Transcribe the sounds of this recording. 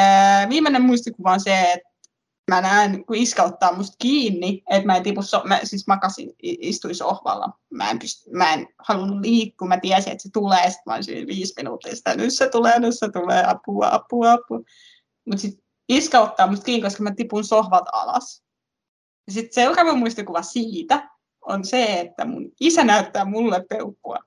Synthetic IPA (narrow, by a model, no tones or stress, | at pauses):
ʋiːmːenemmuist̪ikuʋɑnseet̪ | mænæenkuiskɑut̪ːɑːmust̪kiːnːiet̪mæent̪ipussomæ̰sismɑkɑsḭniist̪uinsohʋɑ̰lːɑ̰mæ̰ˑḛmpyst̪ymæenhɑlunulliːkːuːmæt̪iæsiḛt̪set̪uleːɑsi̥t̪mæo̰ḭnsḭːʋiːsminṵːt̪ːisi̥t̪ænysset̪uleːnysset̪ulḛːɑpuːɑɑ̰puːɑpːu | mut̪sit̪ | iskɑut̪ːɑːmust̪kiːŋkoskɑmæt̪ipunsohʋɑt̪ɑ̰lɑ̰s | jɑsit̪seukɑmymuist̪ikuʋɑsiːt̪æ | o̰nseet̪ːæ̰mṵnisænæyt̪ːæːmulːeppeukːuɑ̰